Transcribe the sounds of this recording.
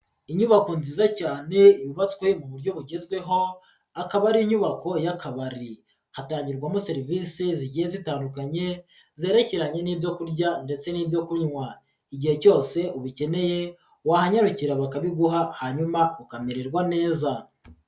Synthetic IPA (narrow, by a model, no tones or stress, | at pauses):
iɲuβako̞nziːzacaːne̞juβat͡swe̞muβuɾɟo̞βuɟe̞zɡwe̞ɦo̞ | akaβaɾiːɲuβako̞jakaβaɾi | hataːɲɟiɾɡwamose̞ɾivisiziɟijezitaːndukaɲe̞ | zeːɾe̞ceɾaɲe̞niːbjo̞kuɾɟande̞t͡se̞niːbjo̞kuɲwa | iɟihe̞co̞ːse̞uβice̞ne̞je̞ | wahaɲaɾuciɾaβakaβiɡuɦahaɲumaukameɾeɾɡwane̞ːza